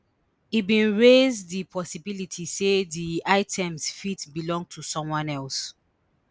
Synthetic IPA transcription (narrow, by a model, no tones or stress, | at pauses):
ibĩnɹezðipʰɔsibilitʰiseðiaɪtʰɛ̃msfitbilɔ̃ŋɡ̚tʰusɔ̃mwɔ̃nɛls